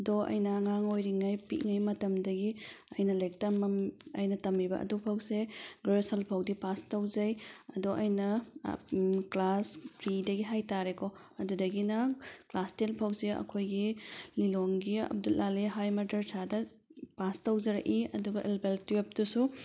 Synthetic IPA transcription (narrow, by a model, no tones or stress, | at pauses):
doʔɐ̰jnɐŋaŋojɾiŋajpiʔŋajmɐtɐmdɐɡiɐjnɐlek̚tɐmɐɐ̰jnɐtɐmibɐʔɐ̰dupʰɐwseɡɾesɐlpʰɐwdipastɐwzɐjɐdoʔɐjnɐ | klaspɾidɐɡiɦajtaɾeko | ɐdudɐɡinɐklastenpʰɐwseɐ̰kʰojɡililoŋɡiɐ̰b̚dulːaleɦajmɐdɐɾsʰadɐ | pastɐwzɐɾɐ̰kiɐ̰duɡɐʔelbeltep̚tusu